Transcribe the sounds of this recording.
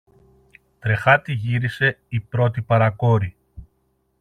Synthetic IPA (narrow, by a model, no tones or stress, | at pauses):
t̪ɾe̞xɐt̪iʝiɾise̞ipɾo̞t̪ipɐɾɐko̞ɾi